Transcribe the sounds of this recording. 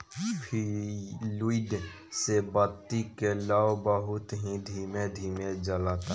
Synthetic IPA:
pʰiluiɖ | sebət̪ːikelaobəɦʊt̪ɦid̪ʱiːmed̪ʱiːmed͡ʒəlaːt̪a

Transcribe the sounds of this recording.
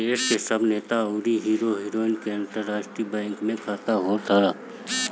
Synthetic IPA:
eːskesəbneːt̪auːɾiɦiːɾoɦiːɾoːɪnkẽnʈəɾːaːʃʈɾibɛ̃ːŋkmẽkʰaːt̪aɦoːt̪ʰaa

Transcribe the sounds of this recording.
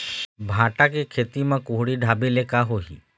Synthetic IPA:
bʱãːʈakekʰeːt̪imãkʊɦɽiɖʱaːbelekaɦoːɦḭː

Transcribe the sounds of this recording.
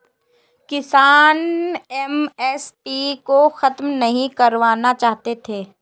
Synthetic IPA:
kɪsaːnɛmɛːspikoxɐt̪mnɐɦĩkɐɾʋaːnat͡ʃaːɦt̪et̪ʰeː

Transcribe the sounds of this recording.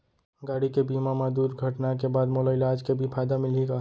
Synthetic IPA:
ɡaɽikebimamed̪uɾɡʱəʈnakebad̪moləɪlaːd͡ʒkebʱipʰajd̪amilika

